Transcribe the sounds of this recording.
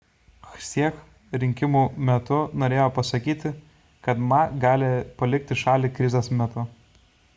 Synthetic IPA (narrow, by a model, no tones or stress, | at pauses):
xsʲiɛx | ɾʲɪŋʲkʲɪmuːmʲɛt̪ʊnoːɾʲeːjoːpɐsɐkʲiːt̪ʲɪ | kɐt̪mɑɡɑːlʲɪpɐlʲɪk̚t̪ʲɪʃɑːlʲiːkɾʲɪzʲosmʲɛt̪ʊ